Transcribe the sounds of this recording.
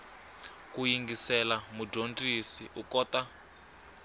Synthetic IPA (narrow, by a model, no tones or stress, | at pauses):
kujiŋɡisɛlamudontʼisḭʔukɔːta